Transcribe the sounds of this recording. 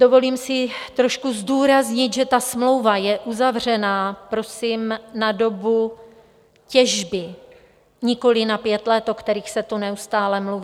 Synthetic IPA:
do̞vo̞liːmsɪt̪ɾo̞ʃkuzduːɾazɲɪt̪ʒɛt̪asmlo̞wvajɛʔuzavr̝ɛnaːpɾo̞simnado̞bu | cɛʒbɪ | ɲɪko̞lɪnapjɛt̪lɛt̪okt̪ɛɾiːxsɛt̪unɛust̪aːlɛmluviː

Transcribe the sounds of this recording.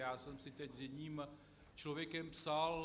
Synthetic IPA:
jaːsɛmsɪt̪ɛczjɛdɲiːm | t͡ʃlovjɛkɛmpsal

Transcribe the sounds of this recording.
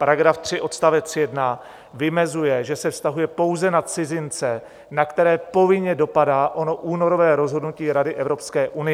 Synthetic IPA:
paɾaɡɾaft̪r̝̥ɪʔo̞t̪st̪avɛt͡sjɛdna | vɪmɛzujɛʒɛsɛfst̪aɦujɛpo̞wzɛnat̪t͡sɪzɪnt͡sɛ | nakt̪ɛɾɛːpo̞vɪɲɛdo̞padaːʔo̞no̞ʔuːno̞ɾo̞vɛːɾo̞zɦo̞dnuciːɾadɪʔɛvɾo̞pskɛːʔunɪjɛ

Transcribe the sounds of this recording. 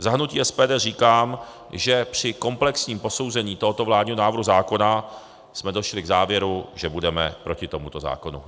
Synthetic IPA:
zaɦnuciːʔɛspɛːdɛːriːkaːm | ʒɛpr̝̥ɪko̞mplɛksɲiːmpo̞so̞wzɛɲiːt̪o̞ɦot̪o̞vlaːdɲiɦonaːvɾɦuzaːko̞na | smɛdo̞ʃlɪɡzaːvjɛɾuʒɛbudɛmɛpɾo̞cɪt̪o̞mut̪o̞za̰ːko̞nṵ

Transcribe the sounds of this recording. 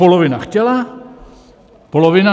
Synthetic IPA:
olovɪnaxcɛla | polovɪna

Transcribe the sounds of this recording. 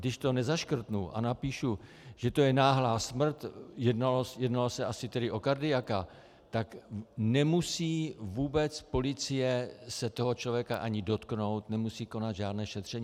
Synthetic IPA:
dɪʃt̪o̞nɛzaʃkr̩t̪nuʔa̰napiːʃu | ʒ̥ɛt̪o̞jɛnaːɦlaːsmr̩t̪jɛdnalosjɛdnalosɛʔasɪt̪ɛdɪʔo̞kaɾdɪjaka | t̪aknɛmusiːvuːbɛt͡spo̞lɪt͡sɪjɛsɛt̪o̞ɦo̞t͡ʃlo̞vjɛkaʔaɲɪdo̞t̪kno̞wt̪nɛmusiːko̞nad̪ʒaːdnɛːʃɛt̪r̥ɛɲiː

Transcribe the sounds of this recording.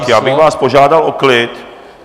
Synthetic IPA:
kjaːbɪxvaːspo̞ʒaːdalo̞klɪt̪

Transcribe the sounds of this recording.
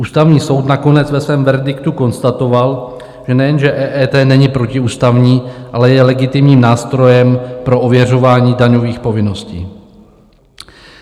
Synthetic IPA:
ʔuːst̪avɲiːso̞wt̪nako̞nɛt͡svɛsvɛːmvɛɾdɪkt̪uko̞nst̪at̪o̞val | ʒ̥ɛnɛjɛnʒɛʔɛʔɛːt̪ɛːnɛɲɪpɾo̞cɪuːst̪avɲiːʔalɛjɛlɛɡɪt̪ɪmɲiːmnaːst̪ɾo̞jɛmpɾo̞ʔovjɛr̝o̞vaːɲiːdaɲo̞viːxpo̞vɪno̞scḭː

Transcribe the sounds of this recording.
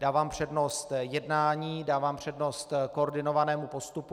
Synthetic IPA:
daːvaːmpr̝̥ɛdno̞st̪jɛdnaːɲiːdaːvaːmpr̝̥ɛdnost̪koorɾdɪno̞vanɛːmupo̞st̪upu

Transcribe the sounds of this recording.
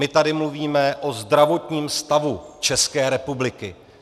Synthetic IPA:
ɪt̪adɪmluviːmɛʔo̞zd̪ɾavo̞t̪ɲiːmst̪avut͡ʃɛskɛːɾɛpublɪkɪ

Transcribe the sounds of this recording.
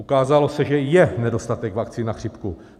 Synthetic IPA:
ukaːzalo̞sɛʒɛjɛnɛdo̞st̪at̪ɛɡvakt͡sinaxr̝̥ipku

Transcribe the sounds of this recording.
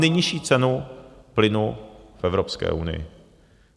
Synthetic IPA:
nɛjɲɪʃiːt͡sɛnuplɪnufɛvɾopskɛ̰ːʔunɪ̰jɪ̰

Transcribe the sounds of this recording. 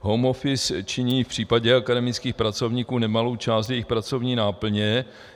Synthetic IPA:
ɦomofɪst͡ʃɪɲiːfpr̥iːpaɟɛakadɛmɪt͡skiːxpɾat͡so̞vɲikuːnɛmalowt͡ʃaːst̪jɛjɪxpɾat͡so̞vɲiːnaːpl̩ɲɛ

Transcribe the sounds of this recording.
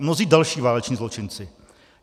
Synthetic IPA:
mnoziːdalʃiːvaːlɛt͡ʃɲiːzlot͡ʃɪnt͡sɪ

